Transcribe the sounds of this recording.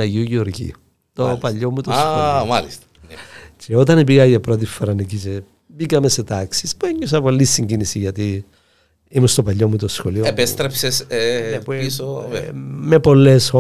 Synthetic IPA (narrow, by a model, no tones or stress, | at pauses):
ɐʝiuʝioɾʝḭu | t̪opɐʎːomut̪osamɐlist̪ɐ̥t͡ʃeo̞t̪ɐnepiɣɐʝɐpɾo̞t̪̬ifːoɾɐnicit͡ʃe | bikɐmese̞t̪ɐksispueɲːos̬ɐpo̞lːisːiɲɟinisiʝɐt̪i | imust̪o̞pɐʎːo̞mut̪osxo̞lioepest̪ɾepseseeiso | mepo̞lːeso